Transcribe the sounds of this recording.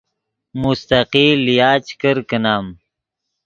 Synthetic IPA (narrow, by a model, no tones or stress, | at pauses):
must̪aqiːlijaːt͡ʃkəɾkənaːm